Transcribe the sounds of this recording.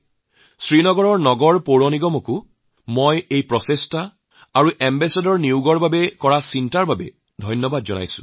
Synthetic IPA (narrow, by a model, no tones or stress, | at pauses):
sɹinɔɡɔɹɔɹnɔɡɔɹpoɹoniɡɔmoku | mɔjejpɹɔsesta | aɹuʔɛmbɛsadɔɹniuɡɔɹbabɛkɔɹasintaɹbabɛ̰ | dʱɔjnjɔbadzɔna̰jsʊ̰̃